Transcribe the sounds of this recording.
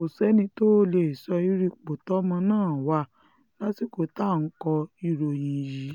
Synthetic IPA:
o˨sɛ˨˦nĩ˧to˦le˧˨i˨sɔ˧i˦ɾi˦˧k͡po˨tɔ˦mã˧nãː˦˨wa˧˨ | lã˦si˦ko˨ta˦˨n̩˦kɔ˧i˧ɾo˨jĩ˨ji˨˦

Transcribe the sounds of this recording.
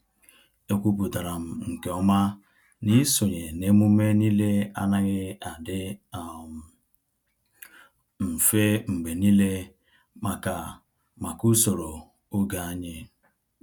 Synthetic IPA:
e˦kʷu˦p̬u˨da˨ɾa˨m̩˨ŋ̩˨ke˨ɔ˦ma˦ | ni˦so˨ɲe˨ne˦mu˦me˦ni˦le˦a̰˦na˦ɣɪ˦a˨dɪ˦˨ | m̩˨fe˦ŋ͡m̩˨ɡ͡be˨ni˦le˦ | ma˨ka˨ | ma˨ku˦so˨ɾo˨ | o˦ɡa˨a˦ɲe˦

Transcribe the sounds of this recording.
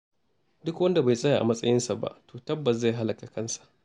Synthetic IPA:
dʊ˦kwɐ˦nda˨ba˨jsʼɐ˦ja˨ʔa̰˨mɐ˦sʼɐ˦jɪ˦nsa˨ba̰˦ʔto̥ː˨tɐ˦bːɐ˨s̬za˦˨ɦa˦lɐ˨ka˨kɐ˦nsḁ˨ʔ

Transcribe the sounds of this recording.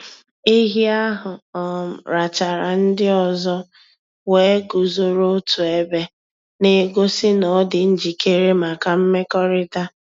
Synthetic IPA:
i˦ɦi˦a˦ɦʊ˨ɔ˨m̩˨ɾa˨t͡ʃa˨ɾa˨n̩˦dɪ˦ɔ˨zɔ˦ | we˨˦ɡu˨zo˨ɾo˦tu˨e˦be˦ | ne˨˦ɡo˦sɪ˦nɔ˨˦dɪ˨n̩˦d͡ʒi˨ke˦ɾe˦ma˨ka˨m̩˦me˦kɔ˦ɾɪ˦ta˦

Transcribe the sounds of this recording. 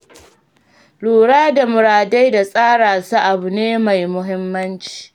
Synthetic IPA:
luː˨ɽaː˦da˨mʊ˨ɾaː˨da˦jda˨sʼaː˦ɽaː˨su˦ʔa˨bu˨neː˦ma˨jmʊ˦ɦɪ˦mːɐ˦nt͡ʃi̥ː˨

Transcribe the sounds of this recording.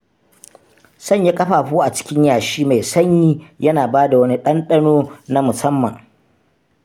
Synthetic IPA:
sɐ˦˨ɲja˦kʼɐ˦ɸaː˨ɸuː˦ʔa˨t͡ʃɪ̥˦kʲɪ˦ɲjaː˨ʃiː˦ma˨jsɐ˦ɲːiː˦jɐ˦naː˨baː˦da˨wɐ˦ni˦ɗɐ˦nɗɐ˦noː˦na˦mʊ˨sɐ˦mːɐ˨ŋ

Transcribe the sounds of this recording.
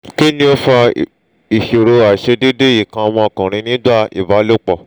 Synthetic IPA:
ke˦nĩ˦o˦fa˧ | i˨ʃe˨ɾo˧a˨ʃe˧de˦de˦i˨kã˧w̃ɔ̃˧ɔ˨kɔ̃˨ɾ̃ĩ˧nĩ˦ɡ͡ba˦˨ḭ˨va˨˦lo˦˨k͡pɔ˨

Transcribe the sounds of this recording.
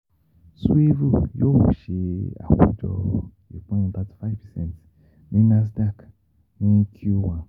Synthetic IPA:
su˦e˦vu˦˨jo˦wu˨ʃe˧a̰˨kṵ˦d͡ʒɔ̰˧ | ḭ˨k͡pã˦˨da˦tfa˦vpɛ˨sɛ̰̃˦nt | nĩ˦na˦s̬da˦˨k | nĩ˦kʰu˦wã˨

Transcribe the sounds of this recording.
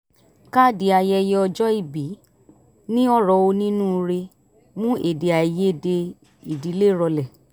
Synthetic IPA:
ka˦di˨a˧jɛ˧jɛ˧ɔ˧d͡ʒɔ˦i˧˨bi˨˦ | nĩ˦ɔ˦ɾɔ˧˨o˧nĩ˦nũ˦˧ɾe˧ | mũ˦e˨de˨a˨i˨je˨˦˨de˧ | i˨di˨˦le˦ɾɔ˧lɛ˨

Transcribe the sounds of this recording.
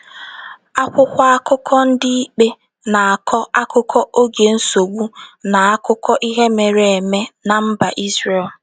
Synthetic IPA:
a˦kʷʊ˦kʷa˦a˦kʊ˦kʰɔ˦n̩˦dɪ˦i˦k͡pe˦ | na˨a˨kʰɔ˦a˦kʊ˦kʰɔ˦ʔo˦ɡe˨n̩˦so˨ɡ͡bu˦na˨a˦kʊ˦kɔ˦ʔi˦ɦe˦me˨ɾe˨e˨me˦na˨m̩˦ba˨ʔi˦zre˨l

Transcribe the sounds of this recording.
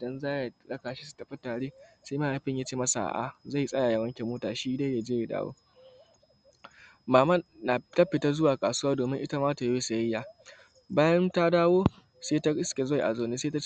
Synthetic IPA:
dɐ˦nzaː˦ja˨ɽɐ˦kaː˨ʃi˦su̥˨tɐ˨ɸɐ˦taː˨ɽeː˦sa˦maː˦˨a˨ɸɪ˦ɲjaː˦t͡ʃeː˦mɐ˦sa̰˨ʔa̰˨za˦˨sʼɐ˦ja˨ja˨wɐ˦ŋkʲe˨moː˦taː˨ʃiː˦da˦jja˨d͡ʒeː˦je˨da̰ː˦wo̰˦ | maː˨mɐ˦˨na˨tɐ˦ɸɪ˨tɐ˦zʊ˦waː˨kʼaː˨sʊ˦waː˦doː˨mɪ˦ŋʔɪ˦ta˦maː˦ta˨ja˦e˦sa˨jɐ˦jːaː˨ | baː˦jɐ˦nta˦daː˦woː˦ | seː˦ta˦ɪ˦skʲe˨za˦˨jʔa̰˨zoː˨neː˦seː˦ta˦

